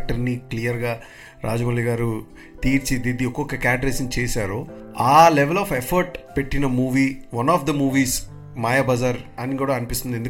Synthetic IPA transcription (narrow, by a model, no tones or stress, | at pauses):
k̚ʈɐɾniklijɐɾɡaː | ɾaːd͡ʒɐmɐliɡaːɾu | t̪iːɾt͡ʃid̪id̪iɔkːokːɐkaːɖɾesint͡ʃeːsaːɾoː | aːleʋelɔːfepʰɐɾʈpe̞ʈːinɐmuːʋiːʋɐnɔːfd̪ɐmuːʋiːs | maːjɐbɐzɐɾɐnːikuːɽaɐnipist̪und̪end̪u